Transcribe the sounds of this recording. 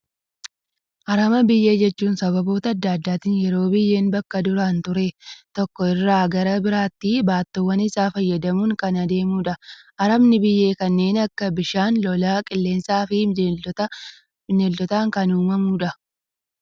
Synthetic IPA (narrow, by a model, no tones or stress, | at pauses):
ʔɐɾɐmɐbɪjːe̞ːd͡ʒɛt͡ʃːuːnsɐbɐbo̞ːt̪ɐɐd̪ːaːd̪ːaːt̪ɪnjɛɾo̞ːbɪjːe̞ːnbɐkːɐd̪ʊɾaːnt̪ʊɾeːt̪ɔkːɔɪrːaːɡɐɾɐbɪɾaːt̪ːibaːt̪ːɔwːɐnɪsaːfɐjːɐd̪ɐmuːŋkɐnɐd̪e̞ːmuːᶑɐʔɐɾɐmnɪbɪjːe̞ːkɐnːe̞ːnɐkːɐbɪʃaːnlɔlaːkʼɪlːe̞ːnsaːfɪ | nɛlt̪ɔt̪aːŋkɐnuːmɐmuːᶑɐ